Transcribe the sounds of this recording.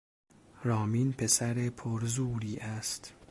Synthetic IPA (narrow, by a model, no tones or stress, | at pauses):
ɾɒːmiːnpʰe̞sæɾepʰoɾzuːɾiːʔæst̪